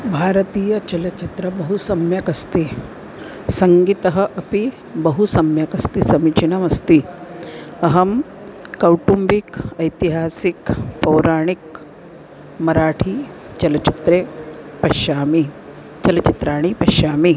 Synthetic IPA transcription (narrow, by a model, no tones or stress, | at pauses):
bʱaːɾət̪iːjət͡ʃɐlɐt͡ʃit̪ɾəbɐɦusɐmjɐkɐst̪i | sɐŋɡit̪ɐɦəʔɐpi | bəɦusɐmjɐkɐst̪isɐmit͡ʃinɐmɐst̪i | ɐɦɐm | kːɐwʈumbikɐjt̪iɦaːsikpɐwɾaːɽ̃ik | mɐɾaːʈʰiː | t͡ʃɐlɐt͡ʃit̪ɾe | pɐʃaːmi | t͡ʃɐlət͡ʃit̪ɾaːɽ̃ipɐʃaːmi